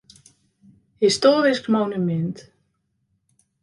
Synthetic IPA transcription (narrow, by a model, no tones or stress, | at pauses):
hɪst̪ɔːɾɪskmoːwnʏmɪnt̪